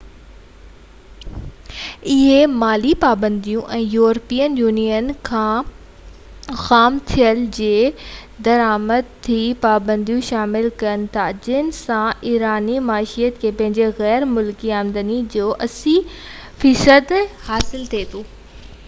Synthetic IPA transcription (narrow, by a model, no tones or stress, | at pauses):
ɪɦemaːlipaːbə̃nd̪ijũʔɛ̃ːjuːɾəpiːjənjuːnijənkʰãː | xaːmt̪ʰijəld͡ʑeː | d̪ɐɾaːməd̪̚t̪ʰipaːbə̃nd̪ijũʃaːmɪlkɐənɪ̆t̪ʰad͡ʑɪnɪ̆sãiːɾaːnimaːʃijət̪kʰeːpɐ̃ɦɪ̃ɲd͡ʑeɣɛːɾmʊlkiãːnd̪ənid͡ʑoːʔɐsifiːsəd̪haːsɪlt̪ʰet̪ʰoː